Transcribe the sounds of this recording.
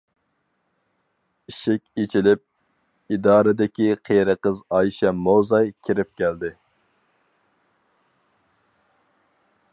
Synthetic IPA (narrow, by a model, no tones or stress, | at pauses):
iʃɪkʲit͡ʃʰilɪp̚ | id̪ɑːɾɨd̪ɪkʲiqʰeɾəqəzɑjʃɛmowzɑjkʲʰiɾɪp̚kʲæld̪ɪ